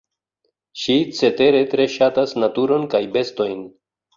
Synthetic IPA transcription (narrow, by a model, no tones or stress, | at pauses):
ʃit͡se̞te̞ɾe̞tɾe̞ʃatasnatuɾo̞nkajbe̞sto̞jn